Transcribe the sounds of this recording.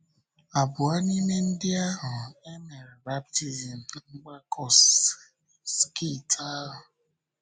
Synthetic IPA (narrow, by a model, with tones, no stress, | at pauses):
a˨bʊ˨a˦ni˦me˦n̩˦dɪ˦a˦ɦʊ˨e˦me˨ɾɪ˨ba˦p̚ti˦zi˨m̩˨ŋ͡m̩˦ɡ͡ba˦kʰɔ˦s | ske˦˨tʰa˦ɦʊ˨